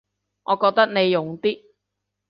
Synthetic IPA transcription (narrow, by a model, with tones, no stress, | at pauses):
ŋʔɔː˨˧kɔː˧k̚t̪ɐ˥k̚ne˨˧jːʊ˨ŋt̪iː˥